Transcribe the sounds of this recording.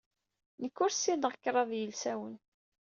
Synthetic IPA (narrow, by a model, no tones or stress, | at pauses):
nəkːʊɾsinʁəkːɾˤɑðjəlsæwən